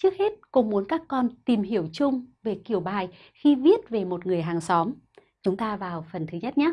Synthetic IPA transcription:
t͡ɕɨ˦˥ək̚he˦˥t̚ko˨˧˦mu˨˦ənkaː˦˥kːɔ˧nt̪i˨˩mɦi˧˩əwt͡ɕʊ˧ŋ͡mve˨˩ki˧˩əwɓaː˨˩j | xi˧vi˦˥ət̚ve˨˩mo˨˩t̚ŋɨ˨˩əjɦaː˨˩ŋsɔ˨˦m | t͡ɕʊ˨˦ŋ͡mt̪aː˧vaː˨˩wfə˨˩nt̪ʰɨ˨˦ɲə˦˥t̚ɲaː˨˦˥

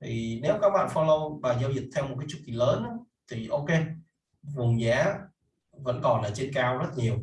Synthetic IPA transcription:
t̪ʰi˨˩ne˨˦wkaː˦˥k̚ɓa̰ː˧˨nfɔ˧lə˧wɓaː˨˩zaː˧wzi˨˩t̚t̪ʰɛ˧wm˨˩t̚kaː˨˦t͡ɕu˨˩ki˨˩ləː˨˦nʔa˨˦ | t̪ʰi˨˩ʔo˧wke˧ | vʊ˨˩ŋ͡mzaː˨˦ | və̰˧˥nkɔ˨˩nlaː˨˩t͡ɕe˧nkaː˧wzə˦˥t̚ɲi˨˩əw

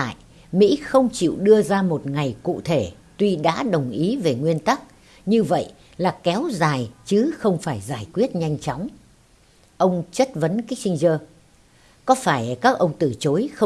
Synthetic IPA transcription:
a̰ː˧˨j | mḭ˧˥xə˧wŋ͡mt͡ɕḭ˧˨wɗɨ˧əzaː˧mo˨˩t̚ŋa˨˩jkṵ˧˨t̪ʰe˧˩ | t̪wi˧ɗa̰ː˧˥ɗə˨˩wŋ͡mʔi˨˦ve˨˩ŋwi˧ənt̪a˦˥k̚ | ɲɨ˧və̰˧˨jʔ | laː˨˩kɛ˨˦wzaː˨˩jt͡ɕɨ˨˦xə˧wŋ͡mfaː˧˩jzaː˧˩jkwi˦˥ət̚ɲa˧jŋ̟t͡ɕɔ˨˦wŋ͡m | ʔə˧wŋ͡mt͡ɕə˦˥t̚və˨˦nkaː˦˥k̟̚si˧ŋ̟zəː˧ | kɔ˨˦faː˧˩jkaː˦˥k̚ʔə˧wŋ͡mt̪ɨ˧˩t͡ɕo˨˦jxə˧

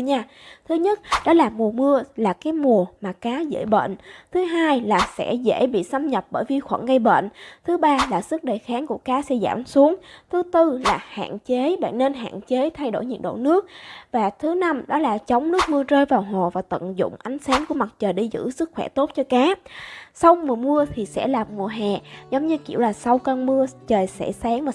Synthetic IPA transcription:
ɲaː˧ | t̪ʰɨ˨˦ɲə˦˥t̚ɗɔ˨˦laː˨˩mu˨˩əmɨ˧əlaː˨˩kaː˨˦jmu˨˩əmaː˨˩kaː˨˦zḛ˧˩jɓḛː˧˨nt̪ʰɨ˨˦ɦaː˧jlaː˨˩sɛ̰˧˥zḛ˧˥˨jɓḭ˧˨sa˧mɲə˨˩p̚ɓəː˧˩jvi˨˩xwə̰˧˩nɣə˧jɓḛ˧˨nt̪ʰɨ˨˦ɓaː˧laː˨˩sɨ˦˥k̚ɗə˨˩jxaː˨˦ŋku˧˩əkaː˨˦sɛ̰˧˥za̰ː˧˩msu˨˦əŋt̪ʰɨ˨˦t̪ɨ˧laː˨˩ha̰ː˧˨nt͡ɕe˨˦ɓa̰ː˧˨nne˧nɦa̰ː˧˨nt͡ɕe˨˦t̪ʰa˧jɗo̰˧˩jɲḭ˧˨˩nɗo̰˧˨nɨ˦˥ək̚vaː˨˩t̪ʰɨ˨˦na˧mɗɔ˨˦laː˨˩t͡ɕə˨˦wŋ͡mnɨ˦˥ək̚mɨ˧ət͡ɕəː˧jvaː˨˩wɦo˨˩vaː˨˩t̪ə̰˧˨ŋzʊ̰˧˨ŋ͡mʔa˨˦jŋ̟saː˨˦ŋku˧˩əma˨˩t̚t͡ɕəː˨˩jɗi˧zɨ̰˧˥sɨ˦˥k̚xwɛ˧˩t̪o˦˥t̚t͡ɕɔ˧kaː˨˦sa˧wmu˨˩əmu˧ət̪ʰi˨˩sɛ̰˧˥laː˨˩mmu˨˩əɦɛ˨˩zɔ˨˦wŋ͡mɲɨ˧kḭ˧˩əwlaː˨˩sa˧wkəː˧nmɨ˧ət͡ɕəː˨˩jsɛ̰˧˥saː˨˦ŋma˨˩

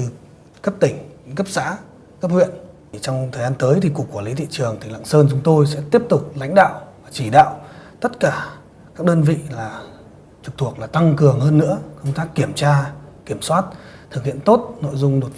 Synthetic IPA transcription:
ɨ˧˩ | kə˦˥p̚t̪ï˧˩ŋ̟kə˦˥p̚za̰ː˧˥ | kə˦˥p̚hwḭ˧˨ən˨˩ | t͡ɕɔ˧wŋ͡mt̪ʰəː˨˩jzaː˧nt̪əː˨˦jt̪ʰi˨˩kəkwu˧˩li˨˦t̪ʰḭ˧˨t͡ɕɨ˨˩əŋt̪ʰï˨˩ŋla̰ː˧˨ŋsəː˧nt͡ɕʊ˨˦ŋ͡mt̪o˧jsɛ̰˧˥t̪i˦˥əp̚t̪ʊ˨˩k͡p̚la̰˧˥jŋ̟ɗa̰ː˧˨wvaː˨˩t͡ɕi˧˩ɗa̰ː˧˨wt̪ə˦˥t̚kaː˧˩ | kaː˦˥k̚ɗəː˧nvḭ˧˨laː˨˩ | t͡ɕɨ˨˩t̪ʰu˨˩ək̚laː˨˩t̪a˧ŋkɨ˨˩əŋhəː˧nːɨ̰˧˥əkə˧wŋ͡mt̪aː˦˥kːi˧˩əmt͡ɕaː˧ki˧˩əmswaː˦˥t̚t̪ʰɨ˨˩k̚hḭ˧˨ənt̪o˦˥t̚no̰˧˨jzʊ˧ŋ͡mɗo˨˩t̚

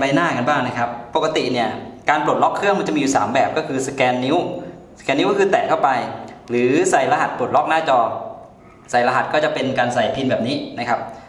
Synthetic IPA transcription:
ba˧jnaː˥˩ka˧nbaː˥˩ŋna˦˥kʰa˦˥pːo˨˩ka˧t̪i˨˩ni˥˩ɐkaː˧nplu˨˩t̪̚lɔ˦˥kʰːɾɯ˥˩əŋm˧˦˥ŋt͡ɕa˨˩mi˧˨u˨˩saː˩˦mbɛː˨˩p̚kɔː˥˩kʰɯː˧sḁ˧kɛː˧nːi˦˥w | skɛː˧nː˦˥kːkʰɯː˧t̪ɛː˨˩kt̪ʰa˥˩wpa˧jɾɯː˩˦sa˨˩jla˧ɦa˨˩t̪̚plu˨˩ət̪̚lɔ˦˥k̚naː˥˩t͡ɕɔː˧ | sa˨˩jla˧ɦa˨˩t̪̚kɔː˥˩t͡ɕa˨˩pe˧nkaː˧nsa˨˩jpʰi˧nbɛː˨˩p̚niː˦˥na˦˥kʰa˦˥p̚

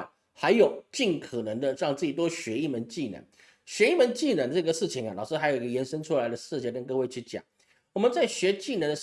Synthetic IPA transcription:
xa˧˥ɪjo˨˩ʊt͡ɕi˥˩nkʰə˨˩nə˧˥ŋd̪ə˧ɻɑ˥˧ŋt͡s̩˥˩i˨˩t̪wɔ˥ɕɥɛ˧˥i˥˩mə˧˦nt͡ɕi˥˩nə̰˧˦n | ɕɥɛ˧˥i˥˩mə˧˦nt͡ɕi˥˩nə˧˥nd̪ə˧˥˩ɡə˩ʂɻ̩˥˩t͡ɕʰi˨˩˦ŋɐ˩lɑ˨˩ʊʂɻ̩˥xa˧˥jo˨˩ʊi˧˥ɡə˧jɛ˧˥nʂə˥ŋʈ͡ʂʰu˥la˧˥ɪd̪ə˧ʂɻ̩˥˧t͡ɕʰjɛ˥˩kə˥nkɤ˥˧we˥˧ɪt͡ɕʰy˥˩t͡ɕjɑ̰˨˩˦ŋ | wɔ˨˩mə˧˦nt͡sa˥˩ɪɕɥɛ˧˥t͡ɕi˥˩nə˧˥nd̪ə˧

